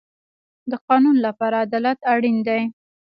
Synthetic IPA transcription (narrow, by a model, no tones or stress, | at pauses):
d̪əqɑnunlapɑɾaːd̪ɑlat̪aɽind̪aj